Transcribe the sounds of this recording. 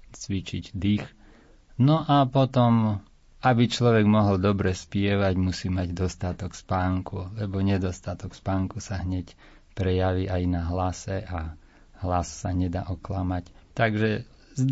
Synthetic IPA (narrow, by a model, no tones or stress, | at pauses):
t͡sʋit͡ʃiɟd̪ix | nɔʔapɔt̪ɔm | abit͡ʃlɔʋɛɡmɔɦɔld̪ɔbɾɛspɪɛʋaɟmusiːmaɟd̪ɔst̪at̪ɔkspaːŋkulɛbɔɲɛd̪ɔst̪at̪ɔkspaːŋkusaɦɲɛc | pɾɛjaʋiʔajnaɦlasɛʔa | ɦlassaɲɛd̪a̰ːʔɔklamact̪aɡʒɛ | z